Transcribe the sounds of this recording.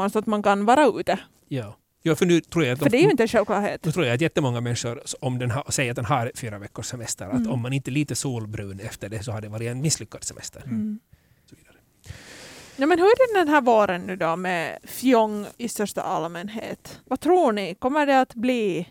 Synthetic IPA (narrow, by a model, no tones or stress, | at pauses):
ansɔat̪mankanvɑːɾaʉːt̪ə | jɑː | jɑːfœɳʉ̟ːt̪ʰɾuːɾjaat̪fœɖɛːjɵɪnt̪əɛnʂɛlklɑ̰ːɾheːt̪ːt̪ʰɾuːɾjaːt̪̬jɛt̪ːəmɔŋːamɛnʂʊɾɔmd̪ɛnɦasɛjəɾat̪̚d̪ɛnɦaɾfyːɾavɛkːʊʂsɛmɛst̪ə̰ɾat̪ɔmːanɪnt̪əliːt̪əsuːlbɾʉːnɛft̪əɖɛsɔhaɖɛvɑːɾɪt̪ɛnmɪsːlʏkːad̪sɛmʔɛ̰st̪ʰəɾ | sɔviːd̪aɾə | jɑːmɛnhɵæɖɛd̪ɛnɦæːɾvoːɾənːʉ̟ːd̪ɔmɛfjɔŋːɪst̪œʂʈa̰ʔalmɛnɦḛːt̪vat̪ʰɾuːɳɪkɔmːəɖɛat̪bliː